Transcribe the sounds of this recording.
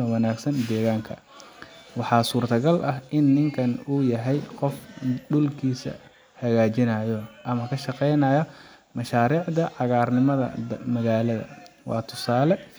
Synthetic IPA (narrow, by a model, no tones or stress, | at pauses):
ɐwɑnaːɡsɐnd̪ɛːɣaːŋkʰɐ̰ | wɑħɑːsuːrt̪ʰɐɡɐlʔɐɦʔɪnːɪŋkʰɐnuːjɐɦɛjqɔfɖʊlkʰiːsɐ̰ | hɐɣaːt͡ʃɪnɐjɔʔɐmɐkʰɐʃɑqɛjnɐjɐ | mɐʃaːɾiːʕd̪ɐʕɑɣaːrnɪmɐðɐ̰mɐɣaːlɐðɐ̰wʔɑ̰ːt̪ʰʊsaːlɛ